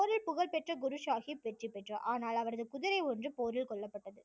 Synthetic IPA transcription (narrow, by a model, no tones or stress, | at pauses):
oːɾɪlpʊɣɐɭpɛʈrɐɡʊɾɯʂaːɣiʋɛʈripːɛʈrɐʔaːnaːlɐʋɐɾɐðɯkʊðɪɾɐɪɔndrɯpoːɾɪlkɔɭːɐpːɐʈːɐðɯ